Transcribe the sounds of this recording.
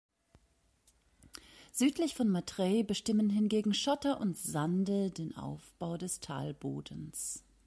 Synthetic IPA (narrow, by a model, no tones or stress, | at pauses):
z̥yːtʰlɪçfɔnmatʁ̥ɛːbəʃtɪmənɦɪnɡeːɡŋ̩ʃɔtɐʔʊntz̥andədeːnʔa̰ʊfb̥aʊdɛstʰa̰ːlbo̰ːdən̩s